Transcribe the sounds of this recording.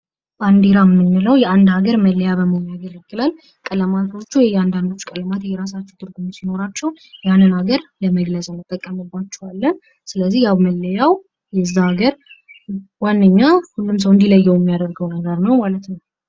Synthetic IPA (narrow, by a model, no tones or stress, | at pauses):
band̪iɾamːɨnːɨləwjɛand̪haɡəɾməlːəjaβəməjaɡəɾɨɡɨlal | kʼələmat̪ʰo̞t͡ʃːujɛjɛand̪and̪o̞t͡ʃːu̥kʼələmat̪jɛɾas̬at͡ʃːɛwt̪ʰɨɾɡumsino̞ɾat͡ʃːɛw | janːɨnaɡəɾləməɡləzʼənːɨt̪ʼːəkʼːəmɨbːat͡ʃːɛwalːən | sɨləzːihjawməlːəjaw | jɛzːahaɡəɾ | wanːəɲːahulːums̬əwɨnd̪iləjːɛwjɛmːijad̪əɾɡəwnəɡəɾnəwmalət̪nəw